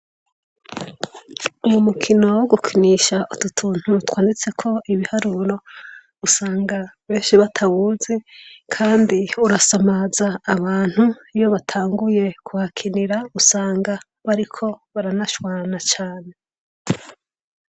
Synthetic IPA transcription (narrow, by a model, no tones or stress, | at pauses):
umumukʰino̞woɡukʰiniʃaʔututʰuːn̥hutwaːndit͡se̞kʰo̞iβihaɾuɾo̞ | usaːŋɡaβeːnʃiβatʰawuzekʰaːndiuɾasamazaːβaːn̥huijo̞βatʰaːŋɡuje̞kʰuhakʰiniɾausaːŋɡa | βaɾikʰo̞βaɾanaʃwaːnat͡ʃaːne̞